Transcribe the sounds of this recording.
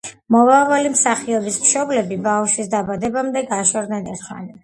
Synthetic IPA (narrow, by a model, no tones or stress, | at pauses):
mɔvavalimsaχiɔbismʃɔblɛbibafʃisd̪abad̪ɛbamd̪ɛɡaʃɔɾd̪nɛnɛɾt̪χa̰ni